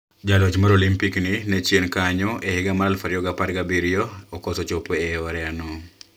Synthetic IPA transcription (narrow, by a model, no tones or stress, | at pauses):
d͡ʒalot͡ʃmaɾolimpikninɛt͡ʃjenkaɲɔʔehɪɡamaɾalfaɾjɔɡapaɾɡabiɾijoɔkɔsot͡ʃopoɛɔɾɛano